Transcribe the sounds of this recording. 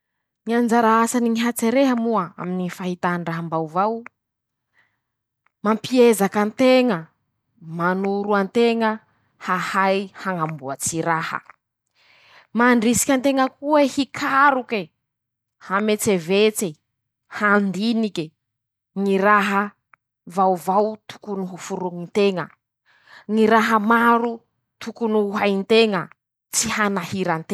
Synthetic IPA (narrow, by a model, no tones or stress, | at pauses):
niand͡ʒaɾaasaniŋiɦat͡seɾeɦəmuaa̰minifaɦit̪aɳɖ͡ʐaɦambawvaw | mampiezakant̪eŋə | manuɾuant̪eŋə | hahajhaŋambuat͡siɾahə̰ | maɳɖ͡ʐisi̥kʲant̪eŋəkuehikʰaɾuke | hamet͡sevet͡se | hand̪inike | ŋiɾaɦə | vawvawt̪u̥kunuɦufuɾuŋint̪eŋə | ŋiɾaɦəmaɾu | t̪ukunuuɦajnt̪eŋə | t͡sihanahiɾant̪eŋ